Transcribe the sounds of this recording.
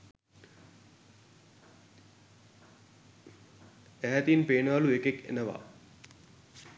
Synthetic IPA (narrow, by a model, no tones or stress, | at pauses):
æɦæt̪inpeːnəʋaluekekḛnəʋa̰